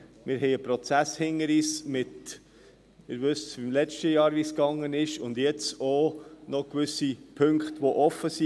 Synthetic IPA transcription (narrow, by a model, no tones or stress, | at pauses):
mɪɾɦɛɪəpɾɔt͡sæshɪŋəɾiːsmɪt | ɪɾvʉsɪmlɛt͡ʃtəjɑːɾʋiːskɑŋːənɪʃʊndjɛt͡sonɔkʋʏsipʰʏŋkχtʋoʔɔfːəsi